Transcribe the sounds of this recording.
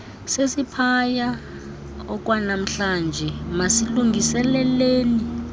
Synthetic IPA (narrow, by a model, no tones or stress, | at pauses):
sesipʰaja | ɔk̬wanam̩ɬand͡ʒʱɛmasiluŋɡʱisɛlɛleːni